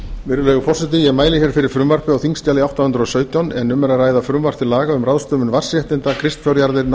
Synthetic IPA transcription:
vɪɾʏlɛːɣʏpʰɔrsɪt̪̬ɪjɛɣmaːjlɪçɛɾ̥fɪɾɪɾ̥fɾʏmvar̥pʏawθiŋst̪aːlɪawht̪awhʏnt̪ɾʏɔsœːɥt̪jawnɛnːʏmːɛɾaraːjðafɾʏmvar̥p̪ɪlaːɣaʏmraðst̪œːmʏnvar̥sjɛht̪ɪnt̪akʰɾɪst̪fjɔwɾjaɾðɪɾn

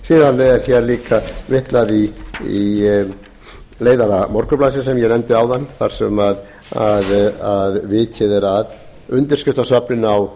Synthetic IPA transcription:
siːðanːɪɛɾθjɛɾliːkavɪht̪laðii | leːjðaɾamɔɾ̥kʏplaːs̬ɪsɛmjɛnɛnt̪ɪawðanːθaɾ̥sɛmað | aðaðvɪcʰɪðɛɾað | ʏnt̪ɪɾ̥skʏft̪asœpnɪnaw

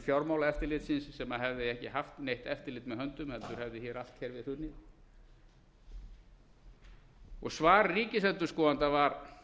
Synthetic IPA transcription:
fjawɾmaːwlaɛft̪ɪɾlɪt̪sɪnsːɛmaɦɛvðɪɛhcɪɦaft̪nejht̪ɛft̪ɪɾlɪːt̪mɛðhœnt̪ʏmhɛlt̪ʏɾ̥hɛvðɪçɛɾal̥t̪hɛjɾvɪðθʏnːɪ | ɔɣsvaːɾːiːcɪsɛnt̪ʏ̥skɔːant̪avaɾ

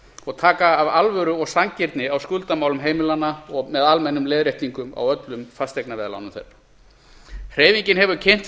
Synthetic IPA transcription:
ɔɣt̪ʰaːkaːvalvœɾʏɔɣsaŋcɪɾt̪nɪawskʏlt̪amaːwlʏmɦeːjmɪlanːaɔɣmɛðalmɛnːʏmlɛːðɾeht̪niŋkʏma̰wœt̪lʏmfast̪eknavɛːðala̰wnʏmθḛra | hr̥eːjviɲcɪnɦɛvʏcʰejn̥t̪

